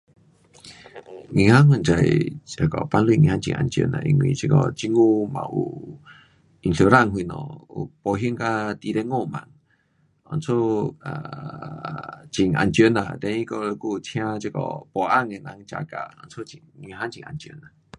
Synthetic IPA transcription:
ŋĩ˧˨hã˦ŋə˧˨nt͡ʃa˨jə˧˨kɔ˨pa˧nlwi˧˨ŋḭ̃˧hã˦nt͡ʃḭ˧˨ʔa˧nt͡ʃjə̰˧˨nã̰˨˧ʔi˧ŋwḭ̃˧˨t͡ʃə˧kɔ˧˨t͡ʃi˦ŋu˦˧mã̰˨ʔu˧ | i˧nɬo˧˨ɾa˦˨ŋɦwi˧˨nɔ̰̃˨u˧˨pɔ˧˨ɦjə˦ŋka˦t̪i˧ɾe˦ŋõ˧˨mã˧˨ŋ | ɔ˧˨nt͡sʰo˦a˨ | t͡ʃi˨ŋʔa̰˧˨nt͡ʃjə˧˨nã˨d̪ɛ˧ĩ˦kɔ˧lku˦˧t͡ʃʰj̃ã˦t͡ʃə˧˨kɔ̰˧˨pɔ˧˨ʔa˦˨ŋe˧˨nã˧˦ŋ˧t͡ʃa˧˨ka˨ɔ˧nt͡sʰo˦i˨ŋĩ˧ɦã˦nt͡ʃi˧˨ŋʔa˧nt͡ʃjə˧˨na˨

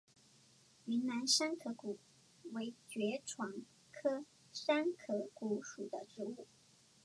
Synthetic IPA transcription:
y˧˥nna˧˥nʂa˥nkʰɤ˧˥ku˨˩ | we˧˥ɪt͡ɕɥɛ˧˥ʈ͡ʂʰwɑ˧˥ŋ | kʰɤ˥ | ʂa˥nkʰɤ˧˥ku˧˥ʂu˨˩d̪ə˦ʈ͡ʂɻ̩˧˥u˥˩

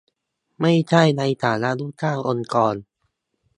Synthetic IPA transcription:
ma˥˩jt͡ɕʰa˥˩jna˧jt̪ʰaː˩˦na˦˥ʔlu˥˩k̚kʰaː˥˩ŋʔo˧nkɔː˧n

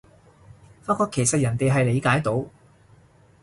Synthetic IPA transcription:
faː˧˥tkɔː˧kʰːe˨˩sɐ˨t̚jɐ˨˩nt̪e˨jɦɐ˨jle˨˧jkaː˨˥jt̪o˨˥w

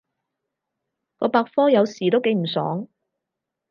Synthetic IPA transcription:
kɔː˧paː˧k̚fɔː˥jɐ˨˧wsiː˨t̪o˥wke˨˧jm̩˨˩sɔ̰ː˨˥ŋ

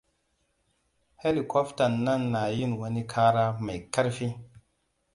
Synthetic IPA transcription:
he˦li˨kɔ˦fta˨nːa˦˨nːa˨ji˦nwɐ˦ni˦kʰaː˦ɾa˦ma˨jka˦ɾfi˦

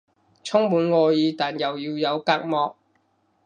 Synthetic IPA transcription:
t͡sʰʊ˥ŋmuː˨˥nŋɔː˧jiː˨˧t̪aː˨˩njɐ˨wjiː˧wjɐ˨˧wkaː˧k̚mɔː˧k̚

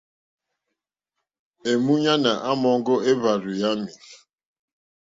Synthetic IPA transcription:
e˨mu˦ɲa˦na˨ʔa˦mɔ˨ŋ̩˦ɡʊ˦e˦βa˨ɾu˨ja˦mi˨

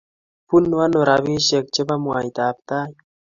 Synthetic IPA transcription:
pu˦nwa˦no˨ɾawi˦ʃe˨k̚t͡ʃe˦ba˦mua˨jt̪aːp̚t̪aː˦j

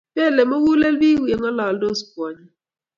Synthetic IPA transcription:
be˦˨le˨mo˦wu˦le˦lbi˦wje˨ŋɔ˦lɔ˨ldo˦˨spwɔ˨ɲi˦

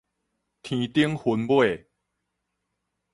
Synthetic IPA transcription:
t̪ʰĩ˨˦t̪i˦əŋhu˨˦npwe˥˩˨

